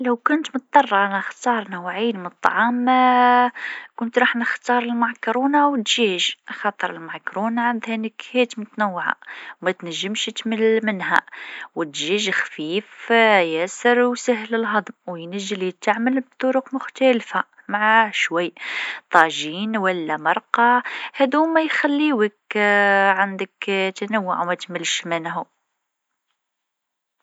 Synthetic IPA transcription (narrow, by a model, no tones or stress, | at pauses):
ləwkʊnt̪mʊt̪̚d̪ˤɑrˤːnxt̪ɑɾˤnəwʕiːnmənət̪ˤːɑ̰ʕɑm | kʊnt̪ɾˤɑːħnəxt̪ɑɾˤəlmakɾunawət̪ʒiʒʔxɑt̪ˤəɾˤəlmɑkɾunaʕand̪hænəkhæt̪mʊt̪nəwːʕa̰wmæt̪næʒːəmʃt̪məlmənhæ̰wət̪ʒiʒxfiːfjæsəɾwsəɦləlɦɑd̪ˤmwjnæʒːəlit̪ːaʕməlb̚t̪ˤːoɾʊqmʊxt̪ælfa | maʕaʃwæjːt̪ˤɑʒinwəlːæmɑɾˤqɑhæd̪umæjxælːiwək | ʕand̪əkt̪ænəwːʊʕwmæt̪məlːʃmənɦu